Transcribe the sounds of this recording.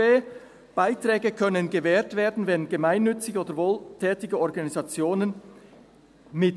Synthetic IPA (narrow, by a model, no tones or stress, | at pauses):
eː | b̥aɪtr̥ɛːɡəkʰœnənɡəvɛːtv̥eːɐdn̩vɛnɡəmaɪnːʏt͡sɪɡoːdəvoːltʰɛːtɪɡəɔʁɡɑnizɑt͡sjoːnən | mɪt